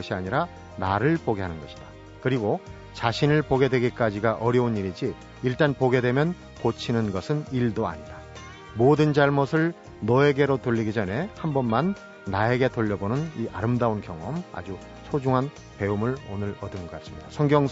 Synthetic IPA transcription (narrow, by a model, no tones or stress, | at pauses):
ʌɕʰiaɲiɾa | naɾɯɭpoɡe̞ɦanɯnɡʌɕʰi̥d̥a | kɯɾiɡo | t͡ɕaɕʰinɯɭpoɡe̞dwe̞ɡik͈ad͡ʑiɡaʔʌɾjʌuniɾid͡ʑiː | ɭt͈anpoɡe̞dwe̞mjʌn | kot͡ɕʰinɯnɡʌsʰɯniɭdoa̰ɲida | modɯnd͡ʑaɭmosʰɯɭ | nʌe̞ɡe̞ɾotoʎːiɡid͡ʑʌne̞hambʌnmanː | ae̞ɡe̞toʎːʌbonɯniʔaɾɯmdaunkjʌŋʌma̰d͡ʑu | sʰod͡ʑuŋɦan | pe̞umɯɭonɯɾʌdɯnɡʌk͈as͈ɯ̥mɲid̥a̰sʰʌŋɡjʌŋ